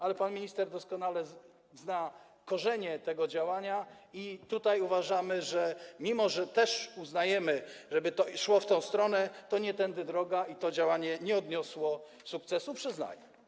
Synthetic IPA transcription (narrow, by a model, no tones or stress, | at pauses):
alɛpanmʲiɲist̪ɛɾd̪ɔskɔnalɛ | zna | kɔʐɛɲɛt̪ɛɡɔd͡ʑawaɲa | it̪ut̪ajuvaʐamɘʐɛmʲimɔʐɛt̪ɛʂuznajɛmɘʐɛbɘt̪ɔʂwɔft̪ɔ̃w̃st̪ɾɔnɛt̪ɔɲɛt̪ɛnd̪ɘd̪ɾɔɡait̪ɔd͡ʑawaɲɛɲɛɔd̪ɲɔswɔ | suk̚t̪sɛsupʂɘzna̰jɛ